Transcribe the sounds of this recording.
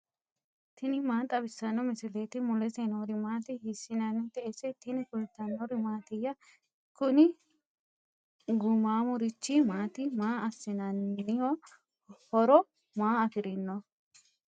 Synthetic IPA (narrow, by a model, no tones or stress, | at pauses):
t̪ɪnɪmaːt̪ʼɐbɪsːɐnːɔmɪsɪleːt̪ɪmʊlɛsenoɾɪmaːt̪ɪhɪsːɪnɐnːɪt̪ɛʔesɛt̪ɪnɪkʊlt̪ːɐnɔɾɪmaːt̪ɪjːɐ | kʊnɪ | ɡʊmaːmʊɾɪt͡ʃːɪmaːt̪ɪmaːɐsːɪnɐnːɪjo | hɔɾɔ | maːɐfɪɾɪnːɔ